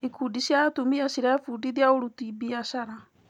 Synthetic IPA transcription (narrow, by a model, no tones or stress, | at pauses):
ikudiʃiatumiaʃiɾafudiðjaoɾutibiaʃaɾa